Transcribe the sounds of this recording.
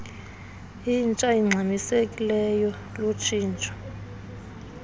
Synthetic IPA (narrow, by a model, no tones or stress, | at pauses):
int͡ʃʼajiŋ͡ǀʱamisekʼilɛjɔ | lot͡ʃʰiːnt͡ʃʼɔ̥